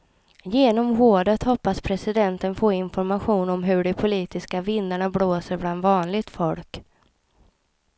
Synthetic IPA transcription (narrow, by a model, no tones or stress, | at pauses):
jeːnɔmvoːɖət̪hɔpːaspʰɾɛsɪd̪ɛnt̪ənfoːɪnfɔɾmaɧuːnɔmɦɵɖɛpʰʊliːt̪ɪskavɪnːəɳabloːsəɾbland̪vɑːnlɪɡt̪fɔlk